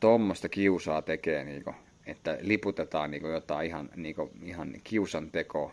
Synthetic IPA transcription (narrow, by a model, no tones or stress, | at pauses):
t̪omːost̪ɑkiusɑːt̪ekeːniːko | et̪ːæliput̪et̪ɑːnniːŋkojot̪ɑeihɑnniːkoihɑnkiusɑnt̪ekoː